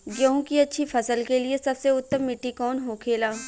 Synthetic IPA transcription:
ɡjõːũkiɐtːʃʰifʰɐsəlkeliesɐbseʊt̪ːəmːɪʈːikɔːnɦoːkʰeːlaː

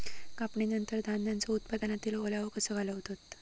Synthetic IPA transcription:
kapɳinənt̪əɾd̪ʱand̪jant͡sɔut̪pad̪ənat̪iːlolaʋəkəsəʋaləʋt̪ot̪

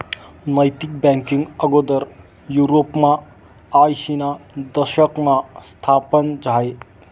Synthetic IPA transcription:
nɐjt̪ik̚bɛŋkiŋɡəɡod̪əɾ | juɾopmaː | jsinad̪əʃəkmast̪ʰapənd͡ʒaj

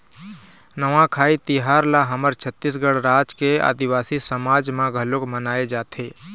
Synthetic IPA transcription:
nəʋãkʰaːit̪iɦaːɾlaɦəməɾt͡ʃʰət̪ːis̬ɡəɽɾaːd͡ʒkea̰ːd̪iwaːsisəmaːd͡ʒmãɡʱəlokmənaːed͡ʒaːt̪ʰeː

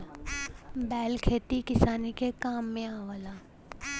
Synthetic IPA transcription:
bɛːlkʰeːt̪ikɪsaːnikekaːmːẽaːʋəlaː

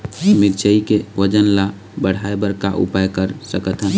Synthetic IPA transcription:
miɾt͡ʃəikewəd͡ʒənla | bəɽ̤aebəɾkaʔṵpajkəɾsəkət̪ɦən

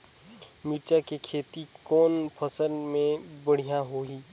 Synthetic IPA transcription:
miɾt͡ʃakekʰeːt̪ikɔːnpʰəsənmẽbəɽ̤ijãɦoːiː

